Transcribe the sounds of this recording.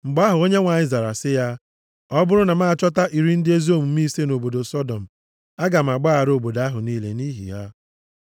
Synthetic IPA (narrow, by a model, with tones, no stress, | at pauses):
ŋ͡m̩˨ɡ͡ba˦ɦʊ˨o˦ɲe˦ŋʷa˨ɪ˦za˨ɾa̰˨sɪ˦ja˦ | ɔ˦bʊ˦ɾʊ˦na˨ma˦a˨t͡ʃɔ˦ta˦ʔi˨ɾi˦n̩˦dɪ˦e˦zo˦mu˨m˦i˦se˦no˨bo˨do˨sɔ˦dɔ˨m̩˨ | a˦ɡa˨m̩˨a˨ɡ͡ba˦a˨ɾo˨bo˨da˦ɦʊ˨niː˦lḛ˨ni˦ɦḭ˨ja˦